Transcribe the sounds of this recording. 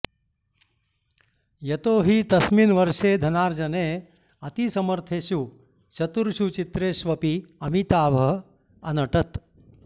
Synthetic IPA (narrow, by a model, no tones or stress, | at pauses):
jɐt̪oːɦit̪ɐsminʋɐɾʂeːd̪ʱɐnaːɾd͡ʒɐneː | ɐt̪isɐmɐɾt̪ʰeːʃu | t͡ʃɐt̪uɾʃut͡ʃit̪ɾeːʃʋɐpiɐmit̪aːbʱɐ | ɐnɐʈɐt̪